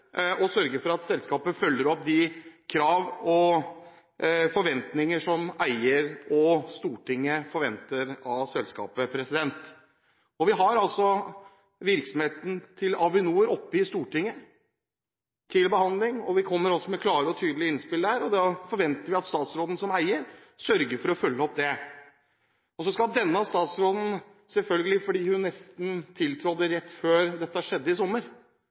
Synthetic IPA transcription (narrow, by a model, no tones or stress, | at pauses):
ɔsœɾɡəfɔɾɑt̪sɛlskɑːpəfœlːəɾɔpːd̪ɪkʰɾɑːʋɔ | fɔɾʋɛnt̪nɪŋəʂɔmæɪəɾɔst̪uːʈɪŋːəfɔɾʋɛnt̪əɾɑsɛlskɑ̰ːpəpʰɾɛsɪd̪ɛnt̪ | ɔʋɪɦɑɾɑlsɔ | ʋɪɾksɔmheːt̪n̩t̪ʰɪlɑʋɪnuːɾɔpːɪst̪uːʈɪŋːə | t̪ʰɪlbəhɑnd̪lɪŋɔʋɪkʰɔmːəɾɔsːɔmɛkʰlɑːɾəɔt̪ʰyːd̪lɪəɪnspɪləæɾɔd̪ɑfɔɾʋɛnt̪əɾʋɪɑt̪st̪ɑːt̪sɾoːd̪n̩sɔmæɪəɾ | sœɾɡəɾfɔɾɔfœlːəɔpːd̪ɛ | ɔsɔskɑd̪ɛnːəɑʋst̪ɑːt̪sɾoːd̪n̩ | sɛlfœlɡəlɪfɔɖiːhʉnːɛst̪n̩t̪ʰɪlt̪ʰɾɔd̪əɾɛt̪ːføːɾd̪ɛt̪ːəhæʂɛd̪ːəɪsɔmːəɾ